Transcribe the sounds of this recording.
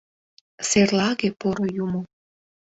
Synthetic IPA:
serlɑɣepoɾojumo

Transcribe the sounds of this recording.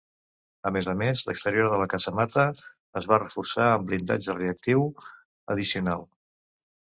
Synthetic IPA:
əmezəmezlə̰kst̪əɾioɾðələkazəmat̪ə | əzβarəfuɾsaəmblind̪a̰d͡ʒəreək̚t̪iw | ə̰ðisiunalˠ

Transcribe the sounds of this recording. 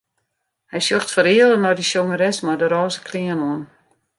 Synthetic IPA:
hɛjsøxtfəɾiələnɔdəsjoŋəɾɛsmadəɾɔːzəkʰliənoən

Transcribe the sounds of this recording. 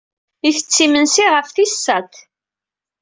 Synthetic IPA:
iθət͡sːimənsiʁəfθisːæt̪

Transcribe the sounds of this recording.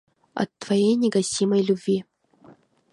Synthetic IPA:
ɐ̰t̪ːvɐjejnʲɪɡɐsʲimɐjlʲʊbʲvʲi

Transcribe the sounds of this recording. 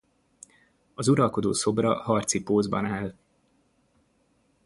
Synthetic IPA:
ɒzuɾɒlko̞d̪oːso̞brɒhɒrt̪sipoːzbɒ̰naːl

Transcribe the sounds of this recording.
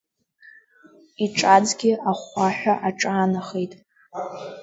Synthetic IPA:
iʈ͡ʂʼad͡zɡʲɪaχʷaħᶣaʔaʈ͡ʂʼaːnaχejtʼ

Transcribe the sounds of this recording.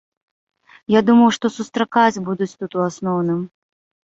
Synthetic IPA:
jad̪umɐwʂt̪ɔsust̪ɾakat͡sʲbud̪ut͡sʲt̪ut̪uasnɔwnɨm

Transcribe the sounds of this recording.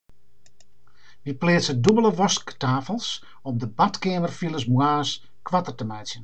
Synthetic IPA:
ʋipleːtsədubələʋɔsktaːfəlˠs | ɔmdəbatkeːmərfilˠəs̬mwaːs | kʋatərtəmɛjsjən

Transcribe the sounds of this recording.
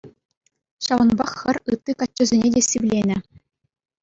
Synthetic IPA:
ɕɑʋɤ̆nbɑχxʲɘ̆rʲɯt̪ːɯkɑt͡ɕʲːɘ̆zʲenʲedʲesʲiʋlʲenʲɘ̆

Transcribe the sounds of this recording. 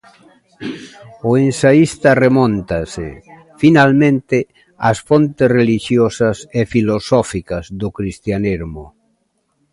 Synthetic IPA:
oensaist̪aremõnt̪asḛ | finalmẽnt̪ɪ | asfont̪esreliʃjosasefilosɔfikazðʊkɾist̪janiɾmʊ

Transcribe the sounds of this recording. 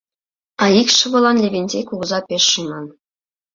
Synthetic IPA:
ɑikʲʃɤ̆ʋɤ̆lˠɑnlʲebʲenʲzʲekʲuɡɤ̆zɑpʲeʃːɯmɑn

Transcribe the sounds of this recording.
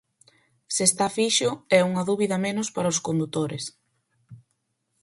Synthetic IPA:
sest̪afiʃʊɛuŋɐðuβiðɐmenʊspaɾɐoskond̪ut̪oɾes

